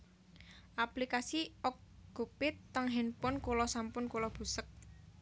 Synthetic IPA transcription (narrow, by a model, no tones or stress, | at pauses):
ʔaplikasiʔɔk̚ɡ̥ṳpɪt̪ːəŋɦɛnpʊnkulɔsampʊnkulɔb̥ṳsək̚